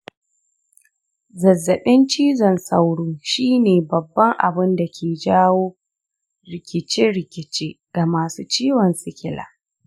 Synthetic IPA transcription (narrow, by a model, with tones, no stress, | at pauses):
zɐ˨zːɐ˨ɓɪ˦nt͡ʃiː˦zɐ˨nsa˦wɽuː˦ʃiː˦neː˨bɐ˨bːɐ˦ŋʔa̰˨bɪ˦nda˨kʲʰeː˨d͡ʒaː˦woː˦ | ɾɪ˨kʲɪ˨t͡ʃɪ˦ɽɪ˨kʲɪ˨t͡ʃeː˦ | ɡ̥a˨maː˨suː˦t͡ʃiː˦wɔ˨nsɪ˨kʲɪ˦la̰ː˨˦